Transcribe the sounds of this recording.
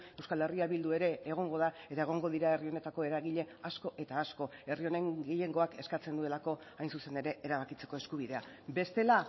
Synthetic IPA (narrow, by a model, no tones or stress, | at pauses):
e̞wskale̞riaβild̪ue̞ɾe̞ːɣ̞o̞ŋɡo̞ðae̞t̪ae̞ɣ̞o̞ŋɡo̞ðiɾae̞rio̞ne̞t̪ako̞e̞ɾaɣiʎe̞asko̞ʔe̞t̪aːsko̞e̞rio̞neŋɡeje̞ŋɡo̞ake̞skat͡se̞nd̪ue̞lako̞ | ajnsuse̞ne̞ɾe̞eɾaβakit͡se̞ko̞e̞skuβ̞iðe̞abe̞st̪e̞la